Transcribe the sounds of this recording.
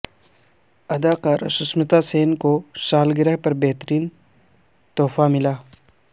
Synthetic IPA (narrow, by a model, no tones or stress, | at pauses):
ɐd̪aːkaːɾɐʃʊsmɪt̪aseːnkoʃaːlɡɪɾɛɦpɐɾbɛɦt̪əɾiːn | t̪ɔːfamɪlaː